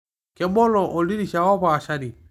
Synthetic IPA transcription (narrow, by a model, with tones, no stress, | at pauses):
kɛ˨bɔ˦lɔ˨ʔɔ˨li˦ɾi˦ʃa˨wɔ˦paː˨ʃa˦di˨